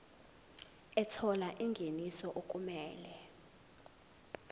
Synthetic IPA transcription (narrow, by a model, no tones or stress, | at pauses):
ɛtʰɔlaʔiŋɡʱenisɔʔok̬ʼumɛːlɛ